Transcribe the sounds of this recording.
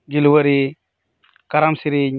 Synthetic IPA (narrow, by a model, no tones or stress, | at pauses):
d͡ʒilwəɾi | kaɾamsiɾi